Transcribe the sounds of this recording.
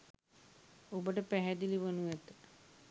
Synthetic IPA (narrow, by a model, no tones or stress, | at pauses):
obəʈəpæɦæd̪iliʋənuæt̪ə